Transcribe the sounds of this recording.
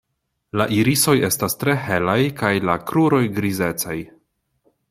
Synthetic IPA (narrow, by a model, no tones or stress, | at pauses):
la̰ʔiɾiso̞je̞stastɾe̞he̞lajkajlakɾuɾo̞jɡɾize̞t͡saj